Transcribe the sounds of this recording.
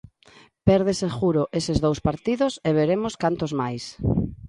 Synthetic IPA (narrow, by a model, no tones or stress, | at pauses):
pɛɾðesexuɾʊʔesɪzðowspaɾt̪iðʊseβ̞eɾemoskant̪ozmajs